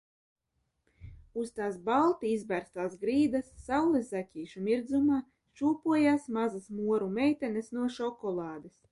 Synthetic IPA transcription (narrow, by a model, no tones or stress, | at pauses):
ust̪aːsbalˠt̪iizbæɾst̪aːzɡɾiːd̪asːawlˠɛsːakʲiːʃumiɾd̪zumaː | ʃuːpuɔjaːsmazasmuɔɾumɛjt̪ɛnɛsnuɔʃɔkɔlˠɑːd̪es